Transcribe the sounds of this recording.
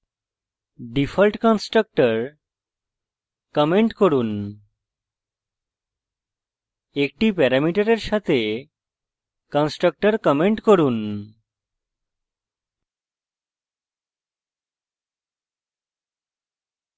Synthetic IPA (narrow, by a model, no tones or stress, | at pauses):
ɖifʰalʈkɔnsʈɾak̚ʈaɾ | kɔmeɳʈkoɾun | ek̚ʈipɛɾamiʈaɾeɾʃat̪ʰe | kɔnsʈɾak̚ʈaɾkɔmeɳʈkoɾun